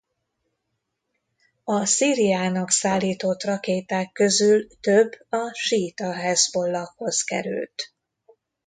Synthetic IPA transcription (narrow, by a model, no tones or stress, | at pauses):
ɒsiːɾijaːnɒksaːlːiːt̪o̞t̪rɒkeːt̪aːkːøzylt̪øbːɒʃiːt̪ɒɦɛzbo̞lːɒkho̞zkɛ̰ɾy̰lt̪